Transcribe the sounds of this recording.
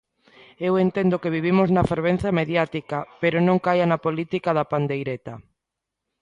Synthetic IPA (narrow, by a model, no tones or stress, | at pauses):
ewent̪end̪okeβiβ̞imʊznɐfeɾβ̞ẽn̟θjameðjat̪ikapeɾonõŋkajanapolit̪ikaðapand̪ejɾet̪a